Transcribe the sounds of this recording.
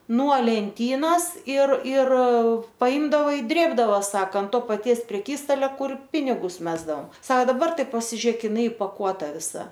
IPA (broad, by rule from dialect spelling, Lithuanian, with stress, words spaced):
nuɔ lʲɛnʲˈtʲiːnoːs ɪr ɪr pɐˈɪmdɐʋɐ ɪ ˈdʲrʲeːbdɐʋoː ˈsɑːkɐ ˈtoː pɐˈtʲiɛs pʲrʲɛˈkʲiːstɐlʲɛ ˈkʊr ˈpʲɪnʲɪɡʊs ˈmʲæːzdɐoːm ˈsɐoː dɐˈbɐr ˈtɐɪ pɐsʲɪˈʒʲiɛk ɪˈnɐɪ ɪpɐˈkuɔtɐ ʋʲɪˈsɐ